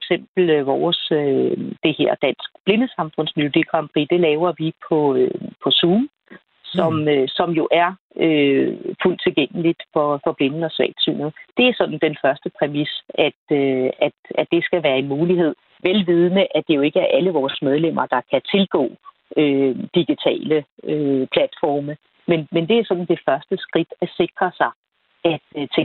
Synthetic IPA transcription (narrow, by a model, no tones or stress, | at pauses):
fɡ̥sem̰b̥l̩ʋɒːsød̥e̝he̝ɐ̰d̥æn̰sɡ̥̚b̥le̝nəsɑ̈mfɔ̽n̰smilo̝d̥ḭːɡ̥ʰʁɑm̥ʁḭːd̥e̝lɛːʊɐʋipʰɒ̽øpʰɒ̽suːm | sɒ̽møsɒ̽mjo̝ʔæɐ | øful̰d̥̚t͡sʰe̝lɡ̥eŋ̰əlid̥fɒ̽fɒ̽b̥le̝nn̩ɒ̽sʋɛ̰ːd̥sy̰ːnð̩d̥e̝æɐsɒ̽d̥n̩d̥enfɶɐsd̥əpʰʁɛmisæd̥øæ̥æd̥e̝sɡ̥æʋæːɐe̝nmuːliɦe̝ð̞̰ˠ | ʋelʋið̞ˠnəʔæd̥e̝jo̝e̝ɡ̥əæɐʔæləʋɒːssmeð̞ˠlem̰ɐd̥ɑ̈kʰæt͡sʰe̝lɡ̥ɔ̰̽ː | ød̥iɡ̥it͡sʰɛ̰ːləøpʰlæd̥fɒ̰ːmə | menmend̥e̝æɐsɒ̽d̥n̩d̥e̝fɶɐsd̥əsɡ̥ʁid̥æse̝ɡ̥ʁɐsɑ̈ɪ | æd̥t͡sʰe